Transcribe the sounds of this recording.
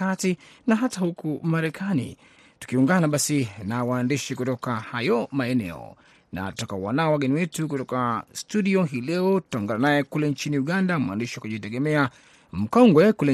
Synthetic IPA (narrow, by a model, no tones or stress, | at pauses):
atinaɦatahukumaɾɛkʰanḭ | tu̥kiuŋɡanaɓasinawaːndiʃikutɔkahajɔmaɛnɛ̰ɔ̰ | na̰tutakawanaɔwaɡɛniwɛtuk̬utɔkastuɗiɔɦiːlɛɔtu̥tauŋɡananajɛkulɛnt͡ʃiniuɠandamwa̰ndiʃiwakuʄitɛɠɛmɛa | m̩kɔŋɡwɛkulɛ